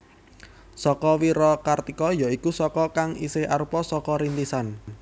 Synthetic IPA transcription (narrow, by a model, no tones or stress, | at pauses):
sɔkɔwiɾɔkart̪ikɔjaikusɔkɔkaŋisɪha̰ɾupɔsɔkɔɾint̪isan